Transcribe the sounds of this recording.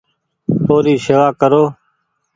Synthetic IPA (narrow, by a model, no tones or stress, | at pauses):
oːɾiːseʋaːkəɾoː